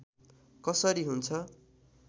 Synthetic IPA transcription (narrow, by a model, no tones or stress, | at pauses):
kʌsʌɾiɦunt͡sʰʌ